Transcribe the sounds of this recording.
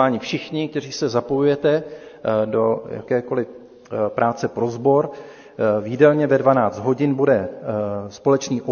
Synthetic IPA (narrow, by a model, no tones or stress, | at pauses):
aːɲɪfʃɪxɲɪk̚t̪ɛr̝iːsɛzapo̞jujɛt̪ɛ | doja̰kɛːko̞lɪ | pɾʔaːt͡sɛpɾo̞zbo̞ɾ | viːdɛlɲɛvɛdvanaːt͡st̪ɦo̞ɟɪnbudɛ | spo̞lɛt͡ʃniːʔo